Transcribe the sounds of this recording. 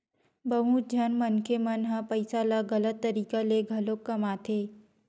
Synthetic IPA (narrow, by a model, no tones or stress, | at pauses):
bəɦud͡ʒʱənmənkʰemənɦəpəjsalaɡələt̪ːəɾiːkaleɡʱɐlokːɐmaːt̪ʰe